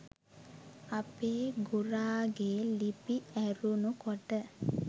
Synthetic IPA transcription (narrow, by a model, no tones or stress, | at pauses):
apeːɡuɾaːɡeːlipiæɾunukoʈə